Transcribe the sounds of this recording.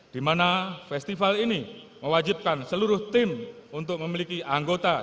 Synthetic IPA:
d̥imanafɛst̪ifalini | məwad͡ʒip̚kansəluɾʊht̪ɪmunt̪ʊk̚məmilikiʔaŋɡot̪a

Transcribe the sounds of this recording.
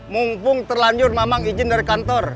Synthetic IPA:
muŋpʊŋt̪ərlaɲd͡ʒʊrmamaŋid͡ʒɪndaɾikant̪ɔr

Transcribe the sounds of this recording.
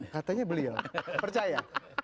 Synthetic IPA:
kat̪aɲabəliawpərt͡ʃaja

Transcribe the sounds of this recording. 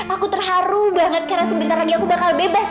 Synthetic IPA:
akut̪ərɦaɾubaŋət̪̚kaɾasəmbint̪arlaɡiakubakalbebas

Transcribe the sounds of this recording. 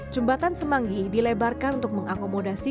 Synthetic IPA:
d͡ʒəmbat̪ansəmaŋɡidilebarkanunt̪ʊk̚məŋakomodasi

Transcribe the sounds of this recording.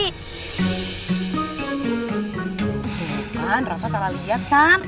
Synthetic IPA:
kanrafasalalijat̪̚kan

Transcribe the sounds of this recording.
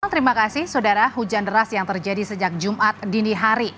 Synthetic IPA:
ŋt̪əɾimakasɪhsodaɾaɦud͡ʒandəɾasjaŋt̪ərd͡ʒadisəd͡ʒak̚d͡ʒumʔat̪̚diniɦaɾi

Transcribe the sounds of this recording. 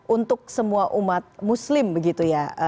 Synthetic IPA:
ʔunt̪ʊk̚səmuaʔumat̪̚muslɪmbəɡit̪ujaə

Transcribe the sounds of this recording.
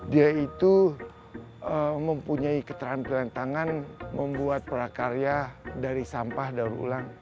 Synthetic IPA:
diait̪u | əməmpuɲaikə̥t̪ɾampilant̪aŋanməmbuat̪̚pəɾakaɾiadaɾisampahdauɾṵlaŋ

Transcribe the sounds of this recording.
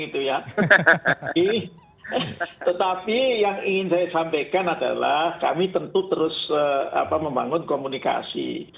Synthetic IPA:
it̪uja | i | t̪ət̪apijaŋiŋɪnsajasampajkanada̰la̰hka̰mit̪ənt̪ut̪əɾʊsəa̰paməmbaŋʊnkomunika̰sḭ

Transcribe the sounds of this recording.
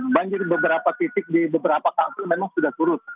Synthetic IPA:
baɲd͡ʒɪrbəbəɾapat̪it̪ɪk̚dibəbəɾapakat̪ɪmemaŋsudaht̪uɾʊt̪̚

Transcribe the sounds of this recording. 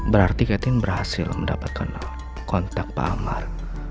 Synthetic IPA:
bəɾart̪ikɛt̪ɪnbərhasɪlməndapat̪̚kʰan | kɔnt̪ak̚pa̰ama̰r

